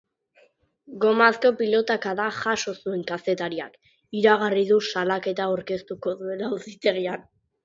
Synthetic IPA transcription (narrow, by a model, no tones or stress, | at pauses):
ɡo̞masko̞pilo̞t̪akaðaxaʃo̞sue̞ŋkase̞t̪aɾia̰k | iɾaɣariðusalake̞t̪aoɾke̞st̪uko̞ðue̞lausit̪e̞ɣ̞ian